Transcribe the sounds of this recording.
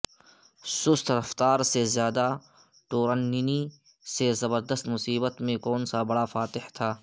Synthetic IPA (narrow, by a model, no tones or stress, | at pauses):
sʊst̪ʰɾɐft̪aːɾsezjaːd̪a | ʈoːɾənːini | sezɐbəɾd̪əst̪mʊsiːbət̪mẽkɔːnsabɐɽafaːt̪ɪht̪ʰaː